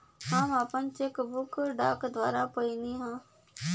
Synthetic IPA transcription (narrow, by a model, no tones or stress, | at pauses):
ɦaːmaːpənt͡ʃekbʊkɖaːkd̪waːɾapəiniɦãː